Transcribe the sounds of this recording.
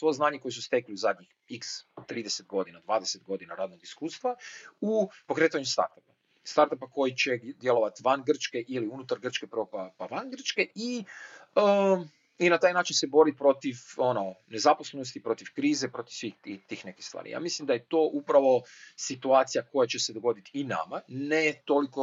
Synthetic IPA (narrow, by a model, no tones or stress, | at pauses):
sʋo̞jeznaːɲeko̞jesust̪e̞kliuzad̪ɲix | ikst̪ɾiːd̪eset̪ɡo̞d̪inad̪ʋaːd̪eset̪ɡo̞d̪inaɾaːd̪noɡiskuːst̪ʋaupo̞kɾeːt̪aɲemst̪a̰ɾt̪apa | st̪aɾt̪apako̞jit͡ɕed̪je̞lˠo̞ʋat̪iʋanɡr̩t͡ʃke̞ʔiliunut̪aɾɡr̩t͡ʃke̞pɾopapaʋanɡr̩t͡ʃke̞i | ə | inat̪aːjnaːt͡ʃinse̞bo̞ɾipɾo̞t̪iʋo̞no̞ne̞zapo̞slˠenost̪ipɾo̞t̪iʋkɾiːzepɾo̞t̪i̥ʋsʋiit̪iːxne̞kist̪ʋa̰ːɾḭja̰ːmislimd̪ajet̪o̞ːʔupɾaʋo̞sit̪uaːt̪sijako̞jat͡ɕe̞se̞d̪o̞ɡo̞d̪it̪iina̰manet̪o̞liko